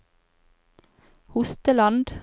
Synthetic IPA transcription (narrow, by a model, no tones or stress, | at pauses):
hʊst̪əlɑnd̪